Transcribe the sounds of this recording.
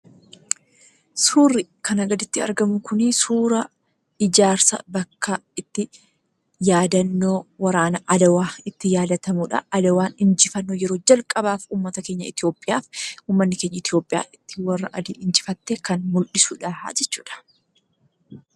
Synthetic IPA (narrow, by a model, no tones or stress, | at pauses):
suːrːɪkɐnɐɡɐd̪ɪt̪ːɪɐ̰ɾɡɐmʊkʊnɪsuːɾɐ | ɪd͡ʒaːɾsɐ̰bɐkːɐɪt̪ːɪ | jaːd̪ɐnːoːwɐɾaːnɐʔɐd̪ɐwaːɪt̪ːɪjaːd̪ɐt̪ɐmuːᶑɐ̰ɐd̪ɐwaːnɪnd͡ʒɪfɐnːojɛɾo̞ːd͡ʒɐlkʼɐbaːfuːmːɐt̪ɐke̞ːɲːɐ̰ɪt̪ɪjo̞ːpʼːɪjaːfuːmːɐnːɪke̞ːɲːɐɪt̪jo̞ːpʼɪja̰ːɪt̪ːɪ̥wɐrːɐ̰ʔɐd̪ḭːɪnd͡ʒɪfɐt̪ːeːkɐnmʊlᶑɪsuːᶑaha̰d͡ʒɛt͡ʃːuːᶑɐ̥